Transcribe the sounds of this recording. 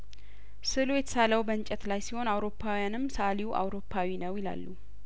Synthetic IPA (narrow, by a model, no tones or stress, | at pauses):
sɨlujɛt̪ʰə̥saləwbəɨnt͡ʃʼɛt̪lajsiho̞nawɾo̞pːawijanɨmːsəʔaliwʔa̰wɾo̞pʰːawinəwjɪla̰lːu